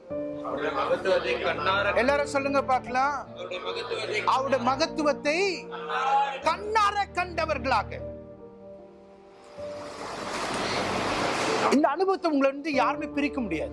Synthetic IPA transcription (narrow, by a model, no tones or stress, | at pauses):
ɛlːaːɾɯ̃sɔlːɯŋɡɐpaːɾkɐlãː | ʔɐʋɯɽɐmɐɣɐt̪ːɯʋɐt̪ːɐɪ | kɐɳnːaːɾɐkːɐɳɖɐʋɐɾɣɐɭaːɣɐ̰ | ɪnd̪ɐɐnɯbɐʋɐt̪ːɐʊŋɡɐɭɐʋɐnɖɯjaːɾɯmeːpɪɾɪkːɐmʊɽɪja̰ːðɯ